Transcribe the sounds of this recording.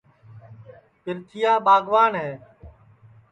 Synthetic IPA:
pɪɾt̪ʰɪjaːɓaːɡʱʋaːnɦeː

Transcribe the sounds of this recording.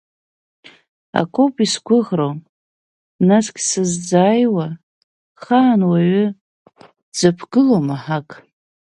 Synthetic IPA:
a̰kʼopʼisɡʷʰʊʁrow | naskʲʼsɨzd͡zaːjwa | χaːnwaɥʏ | d͡zapʰɡɨlomaħakʼ

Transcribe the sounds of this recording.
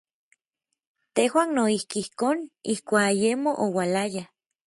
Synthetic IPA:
t̪ehwaːnnoihkiihkoːnihkʷaːkajemoʔowalaja

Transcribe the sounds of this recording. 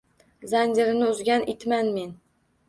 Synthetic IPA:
zand͡ʒɪɾɪnɪʊzɡʲanʔet̪manmen

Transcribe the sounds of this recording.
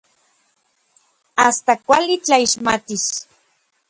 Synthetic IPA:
ast̪akʷalit͡ɬaiʃmat̪is

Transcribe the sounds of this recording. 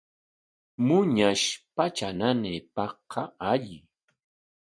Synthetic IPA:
mʊɲaʃpat͡ʃananepɑqːɑaʎɪ

